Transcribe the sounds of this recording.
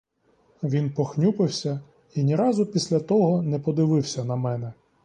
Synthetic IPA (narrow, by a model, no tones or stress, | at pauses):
ʋʲinpɔxnʲupɪwsʲɐ | inʲiɾɑzʊpʲisʲlʲɐt̪ɔɦɔnɛpɔd̪ɪʋɪwsʲɐnɐmɛnɛ